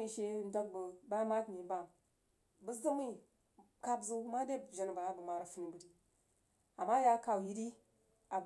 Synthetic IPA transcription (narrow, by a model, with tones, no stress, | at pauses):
i˨ʃe˦n˦da˦k̚bə˨ba˦ma˦tni˨˦ba˨ŋ | bə˦sdə˦mi˦ | ka˦bzu˦ma˦de˦bʒa˨n˨va˨a˦bə˨ma˨ɾa˨fu˦ni˨bə˨di˦ | a˨ma˦ja˦ka˨ji˦di˦ | a˨